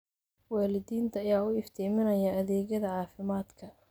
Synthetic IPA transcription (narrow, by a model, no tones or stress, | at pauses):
wɑːlɪðiːnt̪ʰɐːjaːʊɪft̪ʰɛːmɪnɐjɐɐðɛːɣɐðɐʕɑːfɪmaːd̪kʰɐ